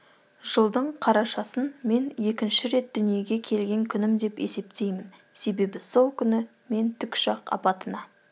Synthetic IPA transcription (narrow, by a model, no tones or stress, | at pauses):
ʒ̥əlˠd̪əɴqʰɑɾɑʃɑsənme̞nje̞kʲɪnʃɪɾe̞t̪̚d̪ʏnije̞ɡʲe̞kʲʰe̞lɡʲe̞ŋkʲʰʏnɪmd̪e̞pe̞̰se̞p̚t̪e̞jmɪnse̞be̞bɪso̞lˠkʲʰʏnɪ | me̞nt̪ʰʏkʲʃɑqɑ̰pɑt̪ənɑ